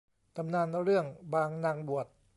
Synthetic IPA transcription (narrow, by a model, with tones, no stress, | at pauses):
ka˧mnaː˧nɾɯ˥˩əŋbaː˧ŋnaː˧˩ŋbu˨˩ət̪̚